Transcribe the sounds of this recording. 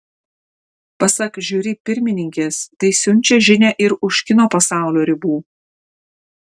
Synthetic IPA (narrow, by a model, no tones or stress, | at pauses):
pɐsɐkʒʲuːɾʲɪpʲɪɾʲmʲɪnʲɪŋʲkʲeːst̪ɐɪsʲʊnʲˑt͡ʃʲɛʒʲɪnʲɛʔɪɾʊʃʲkʲɪnoːpɐsɑˑʊlʲoːɾʲɪbuː